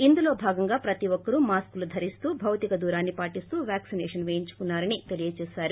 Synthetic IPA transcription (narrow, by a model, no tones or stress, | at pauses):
ind̪ulo̞ːbʱaːɡɐŋɡaːpɾɐt̪iʋɔkːɐɾumaːskulud̪ʱɐɾist̪uːbʱɐwt̪ikɐd̪uːɾaːnːipaːʈist̪uːʋjaːksinɛːʂɐnʋejiɲt͡ʃu̥kunːaːɾɐnit̪e̞lijɐt͡ʃɛːsaːɾu